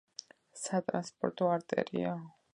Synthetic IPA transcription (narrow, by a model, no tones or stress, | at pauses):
sat̪ʼɾanspʼɔɾt̪ʼɔaɾt̪ʼɛ̰ɾia